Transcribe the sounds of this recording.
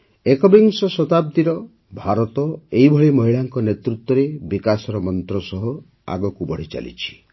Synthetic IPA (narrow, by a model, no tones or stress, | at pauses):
ekɔbiŋsɔsɔt̪ab̚d̪iɾɔ | bʱaɾɔt̪ɔeibʱɔɭimɔɦiɭaŋkɔnet̪ɾut̪wɔɾebikasɔɾɔmɔnt̪ɾɔsɔɦɔ | a̰ɡɔkubɔɽ̤it͡ʃa̰lḭt͡ʃʰi̥